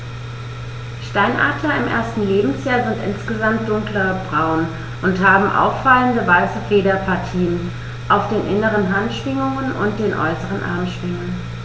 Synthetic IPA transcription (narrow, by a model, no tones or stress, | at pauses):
ʃtaɪnʔa̰ɐtʰlɐɪmʔḛːɐstn̩leːbm̩sjaːɐzɪntʔɪ̰nsɡ̥əzamt̚d̥ʊŋklɐbʁaʊn | ʔʊnthaːbm̩ʔa̰ʊfːaləndəvaɪsəfeːɾɐpʰaɐtʰiːən | ʔaʊfd̥eːnʔɪnəʁənɦantʃv̥ɪŋʊŋənʔʊ̰nt̚d̥eːnʔɔ̰ʏsəʁ̞ənʔa̰ɐmʃv̥ɪŋən